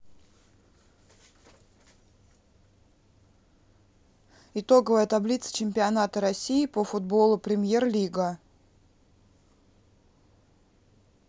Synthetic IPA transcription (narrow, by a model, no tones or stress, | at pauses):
ɪt̪o̞ɡəvəjət̪ɐblʲit̪sə̥t͡ɕɪmʲpʲɪɐnat̪əɾɐsʲiɪpəfʊd̪̚bo̞lˠʊpɾʲɪmʲjerlʲiɡə